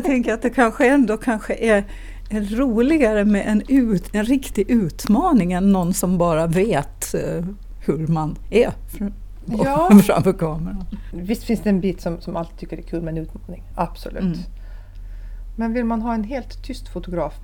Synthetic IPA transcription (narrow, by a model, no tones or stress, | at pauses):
t̪ʰɛŋkəɾat̪̚d̪ɛkʰanɧəɛnd̪okʰanɧəʔæɾ | ɛɾuːlɪɡaɾəmɛʔɛnʉ̟ɛnɾɪkt̪ɪɡʉ̟ːt̪mɑːnɪŋɛnːɔnsɔmbɑːɾaveːt̪ | hɵɾmanæɾf | ɑːfɾa̰mfœɾkʰɑːməɾanvɪst̪fɪnsd̪ɛɛnbiːt̪sɔmsɔmalt̪ɪt̪ʰʏkːəɾɛkʰʉːlmɛnʉ̟ːt̪mɑːnɪŋʔab̥sʊ̰lʉ̰ːt̪ | mɛnvɪlmanɦɑːɛnɦeːlt̪ʰːʏst̪fʊt̪ʊɡɾɑːf